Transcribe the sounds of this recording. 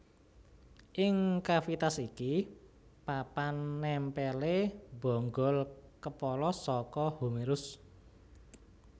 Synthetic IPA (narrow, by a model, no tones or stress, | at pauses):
ʔɪŋkafit̪asiki | papanːɛmpɛleb̥ɔ̤ŋɡɔ̤lkəpɔlɔsɔkɔhumeɾʊs